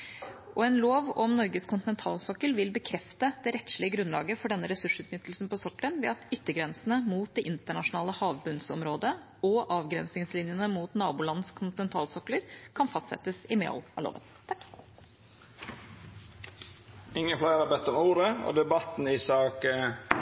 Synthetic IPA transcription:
ʔɔɛːnloːʋɔmnɔɾɡəskʰʊnt̪ɪnɛnt̪ʰɑːlsɔkːəlʋɪlbəkʰɾɛft̪əd̪ɛɾɛt̪ʂlɪəɡɾʉnlɑ̰ːɡəfɔɖɛnːəɾɛsʉʂʉːt̪nʏt̪ːl̩sn̩pɔsɔkːlənʋɛɑt̪ʏt̪ːəɡɾɛnsənəmuːt̪̚d̪ɛʔɪnt̪əɳɑʂʊnɑːləhɑːʋbʉnsɔ̰mɾoːd̪ə | ɔʔɑːʋɡɾɛnsnɪŋslɪnjənəmuːt̪nɑːbuːlɑnskʰʊnt̪ɪnɛnt̪ʰɑːlsɔkləɾkʰɑnfɑst̪sɛ̰t̪əsɪmḛɔ̰lɑ̰lo̰ːʋə̰nt̪ʰɑkː | ɪŋːənflæɪɾɑbɛt̪ːɔmuːɾəo̰ːd̪ɛbɑt̪n̩ɪsɑːk

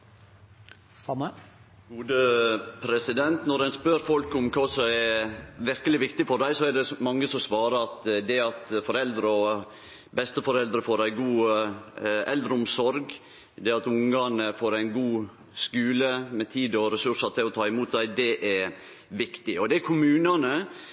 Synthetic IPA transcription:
ɑə | ɡuːd̪əpʰɾɛsɪd̪ɛnt̪nɔɾɛnspøɾfɔlkʊmkʰɑːsɔmɛʋɪɾkəlɪʋɪkt̪ɪfɔɖæɪsɔæɖɛmɑŋːəsɔmsʋɑːɾəɑt̪d̪ɛɑt̪fɔɾɛld̪ɾəɔ | bɛst̪əfɔɾɛld̪ɾəfoːɾæɪɡuː | ɛld̪ɾəʊmsɔɾɡ | d̪ɛɑt̪ʊŋɑnəfoːɾæɪnɡuː | skʉːləmɛt̪ʰiːd̪ɔɾɛsʉʂɑt̪ʰɪlɔt̪ʰɑːɪmuːt̪̚d̪æɪd̪ɛʔɛɾ | ʋɪkt̪ɪɔd̪ɛækʰʊmʉːnɑnə

